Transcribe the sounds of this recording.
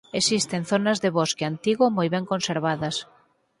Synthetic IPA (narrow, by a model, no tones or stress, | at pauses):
esist̪enθonɐzðeβɔskeant̪iɣomojβɛŋkõnseɾβaðɐs